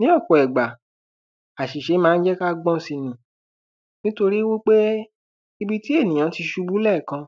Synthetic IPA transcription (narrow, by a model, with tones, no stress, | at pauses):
nĩ˦ɔ˦˨kɔ˨ɛ˨ɡ͡ba˨ | a˨ʃi˨ʃe˨˦mãː˦n̩˦d͡ʒɛ˦ka˦ɡ͡bɔ̃˦si˧nũ˨ | nĩ˦to˧ɾi˦wo˦k͡pe˦ | i˧bi˦˧ti˦e˦˨nĩ˨j̃ã˨˦ti˧ʃu˧bu˦lɛ˦˨kã˧